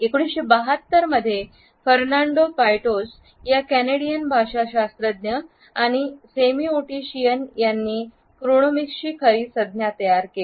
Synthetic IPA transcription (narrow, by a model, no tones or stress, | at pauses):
ekoɽ̃isɕebəɦət̪ːəɾməd̪ʱːje | fəɾnaɳɖopajʈos | jakæneɽijənbʱaʂaɕast̪ɾəd̪njə | aɽ̃isemioʈiɕijənjanːiː | kɾuɽ̃omikɕiːkʰəɾiːsəd̪̚njat̪əjaɾke